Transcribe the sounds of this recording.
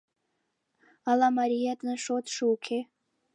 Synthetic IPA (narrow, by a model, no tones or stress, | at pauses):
alamaɾijadʼnɨʂotʰʂuwkʲʰe